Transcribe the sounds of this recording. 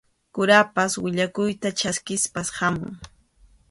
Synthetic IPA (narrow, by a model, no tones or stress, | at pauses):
kʊɾapaswɪʎakʊjt̪at͡ʃaskɪspashamʊ̰ŋ